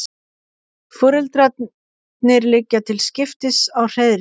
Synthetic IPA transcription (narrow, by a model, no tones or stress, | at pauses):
fœːɾʏlt̪ɾa | nɪɾlɪcːat̪ʰɪlscɪft̪ɪsawr̥eðɾ